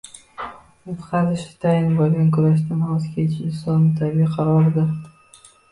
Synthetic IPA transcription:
ʊfqʰɑzɪʃɪ̥t̪ʰajɪnbolˠɡʲankʰʊɾaʃ̬t̪anhɒzkʲʰet͡ʃʰɪɪnsɒnmɪt̪ʰabɪqʰɑɾɒɾɪd̪ɪɾ

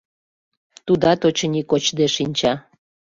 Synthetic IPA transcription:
t̪ud̪ɑt̪ot͡ɕənʲikot͡ɕd̪eʃinʲt͡ɕɑ

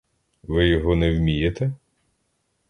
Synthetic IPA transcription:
ʋɪjɔɦɔnɛwmʲijet̪ɛ

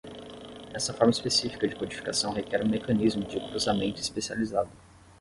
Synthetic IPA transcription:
ɛst̪ɐfɔɾmɐispesifi̥kɐd͡ʒɪkod͡ʒifi̥ka̰sɐ̃w̃ɦekɛɾũmekɐ̃nizmʊd͡ʒɪkɾuzamẽnt̪ʊispesializad̪ʊ

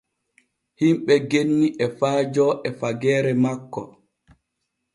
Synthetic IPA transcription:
himɓɛɡenːiʔɛfaːd͡ʒɔʔɛfaɡɛːɾɛmakːɔ̰

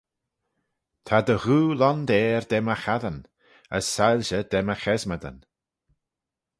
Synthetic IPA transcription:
t̪ʰad̪əɣuːlɔnd̪ɛːɹd̪ɛməxaðən | ə̰sːalʲʃəd̪̥ɛməxɛzmad̪ə̰n

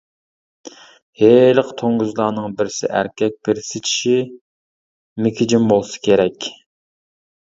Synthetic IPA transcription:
heləqt̪ʰoŋɡuzlˠɑːnɨŋbɪɾɪsɪ̰ʔæ̰ɾkʲʰɛk̚ʲpɪɾsɪt͡ʃʰi̥ʃi | mɪkʰʲɪd͡ʒimbolˠsɨ̥kʲʰeɾɛkʲ

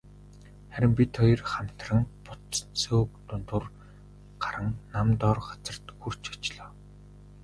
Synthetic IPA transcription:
χæɾʲɪ̆mpʲit̪χɔj̆rχam̥ʲt̪rə̆ŋpʊt̪soːk̚t̪ʊnt̪ʊr | ɢ̥aɾə̆ŋnamt̪ɔːrɢḁt͡sə̆r̥t̪xur̥t͡ɕɔ̥t͡ɕɮɔː

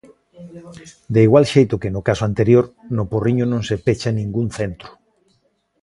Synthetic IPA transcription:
d̪eiɣwalʃejt̪ʊkenʊkasoant̪eɾjoɾnoporiɲonõŋsepet͡ʃanĩŋɡunθent̪ɾʊ̥

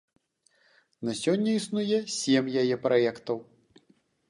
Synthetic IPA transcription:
nɐsʲɔnʲːɐisnujɛsʲɛmjajɛpɾajɛkt̪ɐw

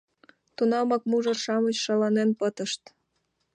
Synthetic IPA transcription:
t̪unɑmɑkmuʒərʃɑmət͡ɕʃɑlɑnenpət̪əʃt̪

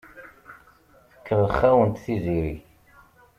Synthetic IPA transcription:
θə̥kːəʁəχːæwənt̪θiziɾi

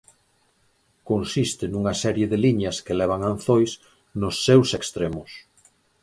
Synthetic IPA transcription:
konsist̪ɪnuŋɐsɛɾjeðeliɲɐskelɛβ̞aŋanθojs | nʊsːewsekst̪ɾemʊs

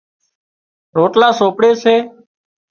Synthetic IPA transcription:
ɾoːʈlaːsoːpɽeːseː

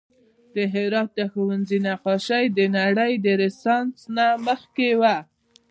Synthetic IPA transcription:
d̪əɦɪɾɑt̪̚d̪əxuwanzinaqɑʃajd̪ənaɽəjd̪əɾɪsɑnsnaməxkewa

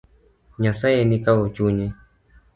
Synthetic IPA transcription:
ɲasajɛnikaɔt͡ʃuɲɛ

